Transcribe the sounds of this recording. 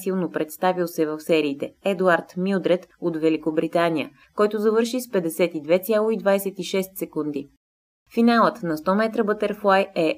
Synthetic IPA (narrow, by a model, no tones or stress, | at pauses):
silˠnopɾɛt̪st̪avilˠsɛvəfsɛɾiːt̪ɛɛd̪uaɾt̪milˠd̪ɾɛt̪ot̪vɛlikobɾit̪anijə̰ | kɔjt̪ozɐvɤɾʃispɛd̪ɛsɛt̪id̪vɛt̪sʲalˠoid̪vaɛsɛt̪iʃɛst̪sɛkund̪i | finalˠət̪nɐst̪ɔmɛt̪ɾəbɤt̪ɛɾflˠajɛ